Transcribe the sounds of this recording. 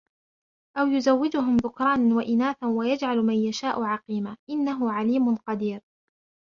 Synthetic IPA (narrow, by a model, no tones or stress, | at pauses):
ʔawjʊzawːɪd͡ʒʊɦʊmðʊkɾˤɑːnanwaʔɪnaːθanwajad͡ʒʕalmanjaʃaːʔʊʕɑqiːmaːʔɪnːaɦʊʕaliːmʊnqɑd̪iːɾ